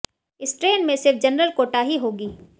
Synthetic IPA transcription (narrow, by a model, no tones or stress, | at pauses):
ɪsʈɾeːnmẽsɪɾfd͡ʒɐnɾəlkoːʈaɦiɦoːɡiː